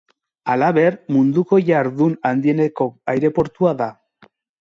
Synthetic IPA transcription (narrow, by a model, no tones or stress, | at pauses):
alaβe̞ɾmund̪uko̞jaɾðunand̪ie̞neko̞ajɾe̞po̞ɾt̪uaða